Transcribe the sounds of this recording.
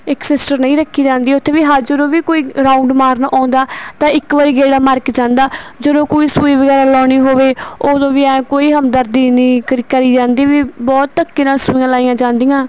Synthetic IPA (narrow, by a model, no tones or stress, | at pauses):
ɪksɪsʈəɾnəĩːɾəkʰːiːd͡ʒãːnd̪iːʊt̪ʰːeːʋiːɦaːd͡ʒəɾõːʋiːkoːiːɾaːʊ̃ɳɖmaːɾnaʔãːnd̪aːt̪ãːɪkʋəɾiːɡeːɽaːməɾkd͡ʒãːnd̪aːd͡ʒəɾõːkoːiːsuːiːʋəɡɛːɾaːlɔːñiːɦoːʋeːoːd̪õːʋiːɛ̃ːkoːiːɦəmd̪əɾd̪iːnĩːkəɾkəɾiːd͡ʒãːnd̪iːʋiːbɔːt̪ːəkːiːnaːsʊ̃ãːlaːijãːd͡ʒãːnd̪iːãː